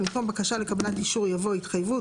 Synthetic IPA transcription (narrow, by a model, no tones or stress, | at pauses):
imko̞mbakaʃalekabanatiʃuʁjavo̞itχajvu